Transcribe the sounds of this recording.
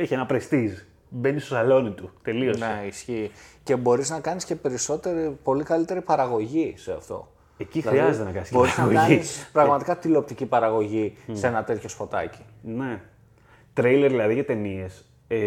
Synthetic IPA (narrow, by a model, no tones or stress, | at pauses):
eçienɐpɾest̪iz | be̞nist̪osɐlo̞nit̪ut̪e̞liosneisçiːce̞bo̞ɾiznɐkɐnisce̞pe̞ɾiso̞t̪e̞ɾipo̞likɐlit̪e̞ɾipɐɾɐɣo̞ʝiseɐ̰ft̪o̞̰ | ecixɾiɐzet̪enɐkɐnisbo̞ɾiznɐɣoiispɾɐɣmɐt̪ikɐt̪ilo̞p̚t̪icipɐɾɐɣo̞ʝiseenɐt̪et̪ço̞spo̞t̪ɐ̰ci̥ne̞ | t̪ɾejleɾðilɐðiʝɐt̪e̞nie̞s | e